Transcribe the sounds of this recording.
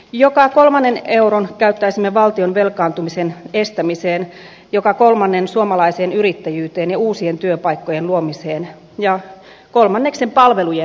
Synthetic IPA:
jokɑkolmɑnːeneuronkæyt̪ːæisimːeʋɑlt̪ionʋelkɑːnt̪umisenest̪æmiseːn | jokɑkolmɑnːensuomɑlɑiseːnyɾit̪ːæjyːt̪eːnjɑuːsient̪yøpɑikːojenluomiseːn | jɑ | kolmɑnːeksempɑlʋeluje

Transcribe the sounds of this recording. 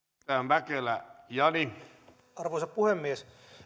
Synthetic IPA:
æːmʋækelæjɑni | ɑrʋoisɑppuhemːies

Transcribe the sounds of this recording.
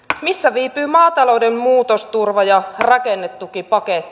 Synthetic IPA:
misːæʋiːpyːmɑːt̪ɑlo̞wdemmuːt̪ost̪urʋɑjɑrɑkenːet̪ːukipɑket̪ːi̥

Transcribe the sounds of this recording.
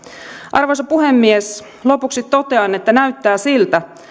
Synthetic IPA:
ʔɑrʋosɑpuɦemːies | lo̞puksit̪ːo̞t̪eɑne̞t̪ːænæɥt̪ːæːsilt̪æ

